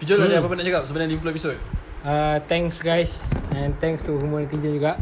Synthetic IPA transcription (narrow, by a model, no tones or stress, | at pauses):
pid͡ʒolad͡ʒaapap̬ʊnaʔt͡ʃakap̚səbənãdiimp̬uepisod̚ | at̪ɛ̃ŋsɡajsɛ̃nt̪ɛ̃ŋst̪uhumoɾĩt̪id͡ʒənd͡ʒuɡaʔ